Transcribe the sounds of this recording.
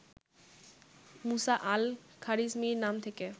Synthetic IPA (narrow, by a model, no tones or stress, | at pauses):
musaʔalkʰaɾismiɾnamt̪ʰeke